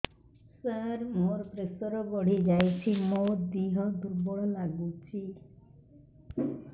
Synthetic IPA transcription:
saɾmoɾpɾesɔɾɔbɔɽ̤id͡ʒajt͡ʃʰimod̪iɦɔd̪uɾbɔɭɔlaɡut͡ʃʰi

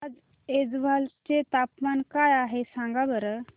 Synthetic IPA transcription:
d͡z | ed͡zbʱalt͡ʃet̪apmankajaɦesãŋɡabəɾə

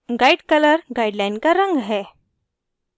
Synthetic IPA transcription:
ɡaiɽkələɾɡajɖlajnkaɾəŋɡɦɛ

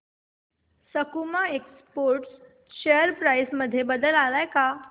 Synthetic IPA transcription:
səkumaekspoɾʈs | ɕejəɾpɾajsməd̪ʱːjebəd̪əlalajka

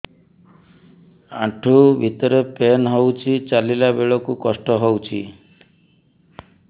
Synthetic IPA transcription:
a̰ʈʰubʱit̪ɔɾepenɦowt͡ʃʰit͡ʃalilabeɭɔkukɔsʈɔɦowt͡ʃʰi

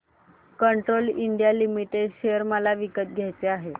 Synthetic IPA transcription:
kəɳʈɾoliɳɖijalimiʈeɖɕejəɾməlaʋikət̪̚ɡʱjajt͡seaɦe

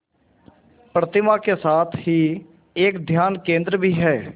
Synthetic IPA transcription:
pɾət̪ɪmaːkesaːt̪ʰɦiː | ekd̪ʱjaːnkẽːnd̪ɾəbʱiːɦɛː

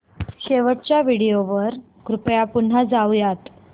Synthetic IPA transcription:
ɕeʋəʈt͡ɕjaʋiɽijoʋəɾ | ɡɾupjapun̤ad͡zawjat̪

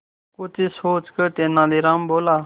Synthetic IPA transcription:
kʊt͡ʃisoːt͡ʃkət̪eːnãːliːɾãːmboːlaː

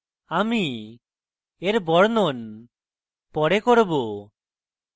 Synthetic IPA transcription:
ami | eɾbɔɽnɔn | pɔɽɛkɔɾbu

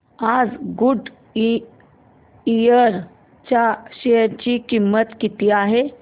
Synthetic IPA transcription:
ad͡zɡuɖ | ijəɾ | t͡ɕaɕeəɾt͡ɕikimːət̪kit̪iaɦe

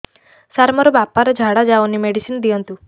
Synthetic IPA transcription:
saɾmɔɾɔbapaɾɔd͡ʒʱaɽad͡ʒaonimeɽisind̪iɔnt̪u

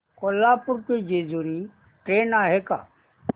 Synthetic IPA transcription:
koːlaːpʊɾked͡ʒeːd͡ʒuɾi | ʈɾeːnaːɦeka̰ː

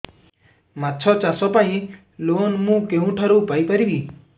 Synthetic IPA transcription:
matːt͡ʃʰɔt͡ʃasɔpaĩ | lonmũːkeɦũʈʰəɾoupaipəɾiʋi

